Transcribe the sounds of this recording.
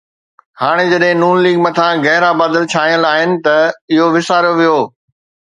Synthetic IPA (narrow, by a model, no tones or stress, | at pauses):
haːɽ̃ed͡ʑɐɗɦɪ̃nuːnliːɡmɐt̪ʰãɣɛɦɾabaːd̪əlt͡ɕʰaːijə̃laːɦɪnɪ̆t̪ɐɪɦoʋɪsaːɾoʋijoː